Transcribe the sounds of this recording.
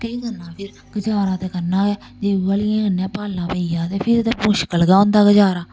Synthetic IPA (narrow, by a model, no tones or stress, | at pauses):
kəikəɾnːãːpʰɪɾ | ɡ̥əd͡ʒaːɾãːt̪eːkəɾnãːɛː | d͡ʒeːaːlɪãːənãːpaːlãːpəijãːt̪eːpʰɪɾt̪eːpõːʃə̥kəlɡaːʊ̃nd̪aːɡəd͡ʒaːɾaː